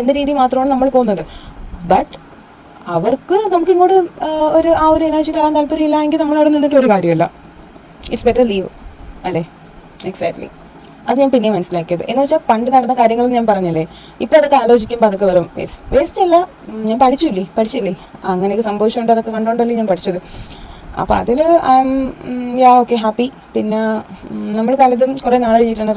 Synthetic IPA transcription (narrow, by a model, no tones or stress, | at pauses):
e̞nd̪eɾiːðijumaːt̪rɐmaːɳɨnɐmːɐɭpoɣunːɐðɨbɐʈː | ɐʋɐrkɨnɐmuk̬ːiŋːoːɽɨoɾuaːoɾuenaːɕit̪ɐlaːnt̪ɐlpɐɾijilːɐeŋɡilnɐmːɐɭɐʋɽɐninːiʈːɨo̞ɾukaːɾjɐmɐlːɐ̰ | iʈsbeʈːɐliːʋɨɐlːeː | eksɐk̚ʈlḭ | ɐðɨɲaːnpinːijemɐnɐsilaːkːijɐðɨ̰ʔe̞nːʋɐt͡ɕːapɐɳɖɨnɐɽɐnːɐkaːɾjɐŋːɐɭumɲaːnpɐrɐɲːɐlːe̞ | ipːoːɐðokːɨaːlo̞ːɕikʲːumboɐðokːɨʋɐɾumʋeːsʋeːst͡ɕɐlːɐ | ɲaːnpɐʈʰit͡ɕːulːipɐʈʰit͡ɕːuilːiɐŋːɐnekːɨsɐmbɐʋiɕɐmuɳɖɨɐðokːe̞kɐɳɖoːɳɖɐlːiɲaːnpɐʈi̥t͡ɕːɐðɨ | ɐ̰pːo̰ːɐ̰ðilamjaːoːkːe̞ɦaːpːi | pinːenɐmːɐɭepɐlɐðumkurenaːɭːɭt͡ɕejiʈːuɳːɐɾ